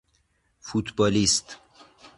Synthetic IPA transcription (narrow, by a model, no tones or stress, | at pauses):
fut̪bɒːlist̪